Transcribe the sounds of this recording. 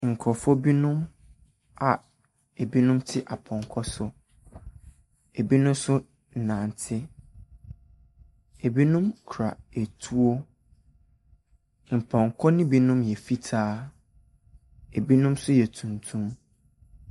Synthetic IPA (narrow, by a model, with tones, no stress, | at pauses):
ŋ̩˨kʰɔ˨fɔ˦bi˦nʊ̃˦m | a˨ | e˨bi˦nʊ̃˦mtʰɪ˦ʔa˨pʰɔ̃˨ŋkʰɔ˦sʊ˦ | e˨bi˦nʊ̃˦msʊ˦ | n̩˨nã˨n˨tʰɪ˦ | e˨bi˦nũ˦mkʰɾa̰˨e˨tʰu˦o˦ | m̩˨pʰɔ̃˨ŋkʰɔ˦nɪ̃˦bi˦nũ˦mjɛ˨fi˦tʰaː˦ | e˨bi˦nũ˦msʊ˦jɛ˨tʰũ˨ntʰũ˦m